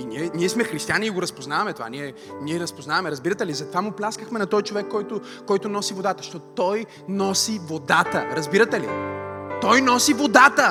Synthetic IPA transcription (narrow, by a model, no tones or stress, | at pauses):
inʲiɛniɛsmɛxɾist̪ijanʲiːɡoɾɐspoznavɐmɛt̪ova̰niɛniɛɾɐspoznavɐmɛɾɐzbiɾət̪ɛlizɐt̪ovamʊplʲaskəxmɛnɐt̪ɔjt͡ʃovɛkːɔjt̪ʊ | kɔjt̪ʊnɔsivod̪at̪əʃt̪ɔt̪t̪ɔj | nɔsivod̪at̪əɾɐzbiɾɐt̪ɛlḭt̪ɔjnɔsivod̪at̪ə